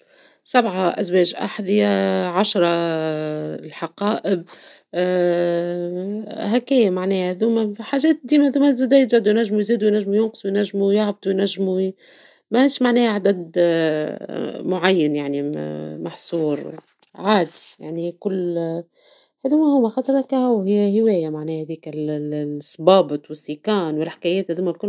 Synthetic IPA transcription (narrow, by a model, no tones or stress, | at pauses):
sabʕɑʔæ̰zwɛːʒʔa̰ħðɪjæʕaʃɾˤɑ | lħɑqɑːʔɪb̚ | hækɛːjmaʕnɛːhhðuːmæħaːʒɛːt̪̚d̪iːmæðuːmæzæd̪æjt̪ːæd̪ujnæʒːmujziːd̪uwjnæʒːmujʊnqɨ̥sˤwjnæʒːmujaʕb̚d̪wjnæʒːmu | mæhæʃmaʕnɛːhʕad̪æd̪ | mʊʕajːanjaʕnimɑħsˤuːɾˤ | ʕaːd̪i̥ja̰ʕnikʊlː | hæðuːmæhʊːmæxɑt̪ˤɑɾˤɑkhæwhɪjːæhɪwɛːjæmaʕnɛːhhæd̪iːkɪlsˤbɑːbɨt̪ˤwɪsːikɑːnwɪlħɪ̥kæjɛːt̪hæðuːmælkʊl